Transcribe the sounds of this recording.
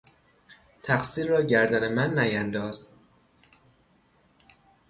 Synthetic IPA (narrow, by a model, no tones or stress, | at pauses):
t̪ʰæxsiːɾːɒːɟæɾd̪æne̞mænːæjænd̪ɒːz̥